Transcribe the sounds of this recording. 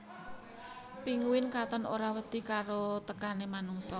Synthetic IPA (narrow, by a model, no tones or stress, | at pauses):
piŋuwɪnkat̪ənoɾawəd̪̥i̤kaɾot̪əkanemanuŋsɔ